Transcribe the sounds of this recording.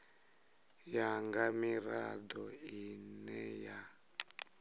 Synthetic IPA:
jaŋɡamiɾa̰d̪ɔinɛja

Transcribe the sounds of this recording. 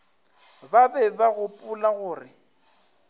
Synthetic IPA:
babɛbaɣʊpʼʊlaɣʊːrɪ

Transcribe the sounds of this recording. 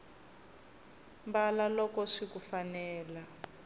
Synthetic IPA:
mbalalɔkɔʂikufanɛːla

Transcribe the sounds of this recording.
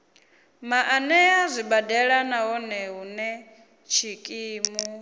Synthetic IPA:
maʔanɛazʷibadɛɺanaɦɔnɛɦunɛ | t͡ʃʰikʼiːmu

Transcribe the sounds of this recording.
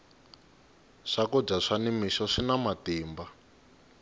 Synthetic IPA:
ʂakɔb͡ʐaʂanimiʃɔʂinamatiːmba

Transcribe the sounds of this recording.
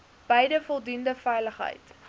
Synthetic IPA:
b̥ɛjdəfɔlˠdundəfɛjləχɦə̰jt

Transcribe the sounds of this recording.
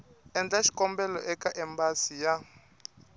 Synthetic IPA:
ɛnd͡ɮaʃi̥kʼɔmbɛlɔ̰ʔɛkaʔɛmbasija

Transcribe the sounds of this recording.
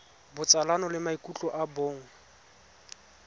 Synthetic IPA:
bʊt͡sʼalanɔlɪmaikʼut͡ɬʼɔʔaboːŋ̩

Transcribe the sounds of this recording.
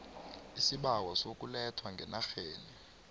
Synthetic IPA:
isiɓawasok̬ʼulɛtʰwaŋɡʱɛnaxeːni

